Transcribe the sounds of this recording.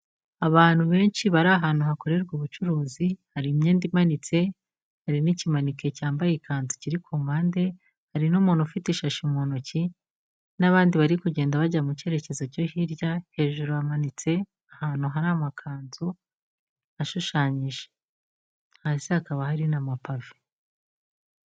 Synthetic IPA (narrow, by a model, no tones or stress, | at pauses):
aβaːn̥huβe̞ːnʃiβaɾaːɦaːnhuɦako̞ɾe̞ɾɡuːβut͡ʃuɾuːzihaɾimɲeːndimanit͡se̞ | haɾinicimanike̞caːmbajikʰaːnzociɾikʰomaːnde̞ | haɾinumuːnufitiʃaʃimonoci | naβaːndiβaɾikuɟe̞ːndaβaɟaamuce̞ɾe̞ce̞zoco̞hiɾjahe̞ːʒuɾuamanit͡se̞ | ahaːn̥huɦaɾamakʰaːnzo | haʃuʃaːɲiʒe̥ | hasihakaβahaɾinamapave